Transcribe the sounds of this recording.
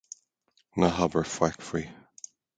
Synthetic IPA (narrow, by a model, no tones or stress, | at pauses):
naɦabəɹfwakfɹi